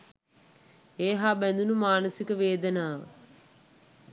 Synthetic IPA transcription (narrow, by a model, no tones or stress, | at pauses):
eːɦaːbænd̪unumaːnəsikəʋeːd̪ənaːʋə̰